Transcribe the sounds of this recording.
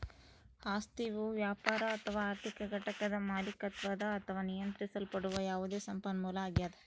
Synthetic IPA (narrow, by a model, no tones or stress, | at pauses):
haːst̪iʋuʋjaːpaːɾɐːt̪ʰɐʋaːɾt̪ʰikɐɡʱɐʈɐkɐd̪ɐmaːlikɐt̪ʋɐd̪ɐːt̪ʰɐʋaːnijɐnt̪ɾisɐlpɐɽuʋɐjaːʋud̪e̞ːsɐmpɐnmuːlɐaːɡjaːd̪e